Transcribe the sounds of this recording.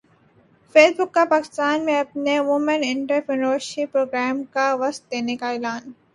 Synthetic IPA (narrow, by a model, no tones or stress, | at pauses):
feːsbʊkːapaːkɪ̥st̪aːnmẽɐpneʋʊmə̃nɪ̃ɳʈəɾpɾɪnoːɾʃipːɾoːɡɾɛːmkaʋɐst̪̚d̪eːnekaeːlaːn